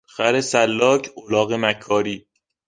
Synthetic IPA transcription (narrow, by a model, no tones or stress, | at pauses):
xæɾesælːɒːkʰolɒːɣemækʰːɒːɾiː